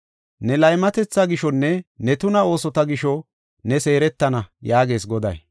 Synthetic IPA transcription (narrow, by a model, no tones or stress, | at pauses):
nɛlɐjmɐt̪ɛt͡sːaɡɪʃɔnːɛnɛt̪ʊnɐo̞ːsɔt̪ɐɡɪʃɔ | nɛse̞ːɾɛt̪ːɐnɐjaːɡe̞ːs̬ɡɔd̪ɐ̰j